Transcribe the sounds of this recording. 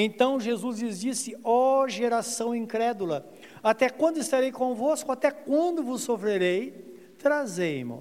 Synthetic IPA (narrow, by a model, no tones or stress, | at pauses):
ẽnt̪ɐ̃w̃ʒezuzlɪzd͡ʒisɪɔʒeɾasɐ̃w̃ĩkɾɛd̪ulɐ | at̪ɛkwɐ̃nd̪ʊɪst̪aɾejkõvoskʊat̪ɛkwɐ̃nd̪ʊvʊsːofɾeɾej | t̪ɾazejmʊ̰